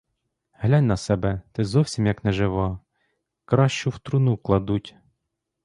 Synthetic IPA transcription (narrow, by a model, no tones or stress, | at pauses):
ɦlʲaɑnʲnɐsɛbɛt̪ɪzɔwsʲimjɐknɛʒɪʋɑ | kɾɑʃt͡ʃʊwt̪ɾʊnuklˠɐd̪utʲ